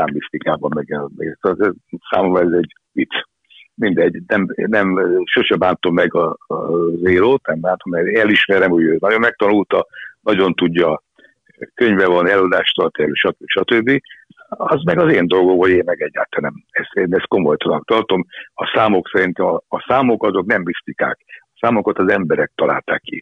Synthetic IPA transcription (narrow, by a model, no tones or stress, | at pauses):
aːmːist̪ikaːbɒmːɛɡɛlert̪ɒɛsa̰ːmomɾɛzɛɟ | ʋit̪s | mind̪ɛɟːnɛmnɛmʃoʃɛbaːnt̪o̞mːɛɡɒ | zeːloːt̪nɛmbaːnt̪omːɛɾɛliʃmɛɾɛmhoɟøːnɒɟommɛk̚t̪ɒnult̪ɒnɒɟo̞nt̪uɟːɒ | køɲvɛvɒnɛlod̪aːʃt̪ɒrt̪iɛlyʃɒt̪øbi̥ʃɒt̪øbːi | ɒzmɛɡɒzeːnd̪o̞lɡo̞mɦoɟeːnmɛɡɛɟːa̰ːt̪ɛnɛmɛst̪eːnɛst̪̚ko̞mojt̪onɒkt̪ɒrt̪o̞mɒsaːmo̞ksɛɾint̪ɛmɒːsaːmo̞kɒzo̞knɛmbist̪ika̰ːkɒsaːmokot̪ɒzɛmbɛɾɛk̚t̪ɒlʔa̰ːlt̪a̰ːkːḭ